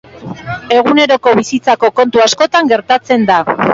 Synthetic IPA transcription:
e̞ɣune̞ɾo̞ko̞βisit͡sako̞ko̞nt̪uasko̞t̪aŋɡe̞ɾt̪at͡se̞nd̪a

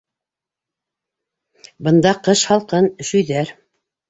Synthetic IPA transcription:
bɤ̆nd̪ɑqɤʃhɑlˠqɤnɵ̆ʃɵ̆jðæɾ

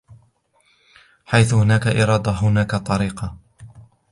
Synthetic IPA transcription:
ħajθʊhʊnaːkaʔɪɾɑːd̪ɑɦʊnaːkat̪ˤːɑɾiːqɑ

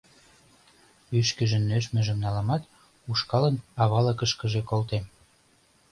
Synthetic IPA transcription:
yʃkə̆ʒə̆nːøʃmĕʒə̆mnɑlɑmɑt̪ | uʃkɑlənɑβɑlə̆kəʃkə̆ʒekolt̪em

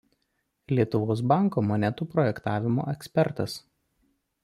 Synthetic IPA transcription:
lʲiɛt̪ʊʋoːs̬bɑˑŋˑkoːmɔnʲɛt̪uːpɾɔjɛkt̪ɑːʋʲɪmo̰ːʔɛksʲpʲɛɾt̪ɐs

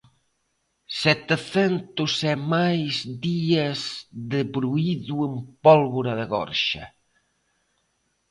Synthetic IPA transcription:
sɛt̪eθɛnt̪usɛmajzd̪iɐzðeβɾuiðuempɔlβoɾɐðɪɣɔ̰ɾʃɐ̰

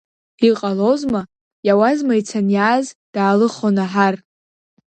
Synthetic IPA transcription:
iqʼalozma | jawazmajt͡sʰanjaːzd̥aːlɨχonaħar

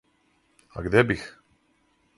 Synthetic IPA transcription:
a̰ɡd̪ɛbix

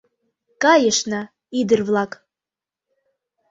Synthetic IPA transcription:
kɑjəʂna | id̪ərvlˠɑkʼ

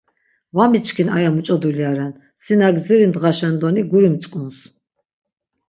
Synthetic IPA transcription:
vamit͡ʃʰʼkʰina̰jamut͡ʃʼɔd̪uliaɾɛn | sinaɡziɾind̪ʁaʃɛnd̪ɔniɡuɾimt͡s̪ʼkʼuns

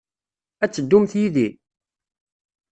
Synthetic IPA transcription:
æt͡sːəd̪ːumθjiði

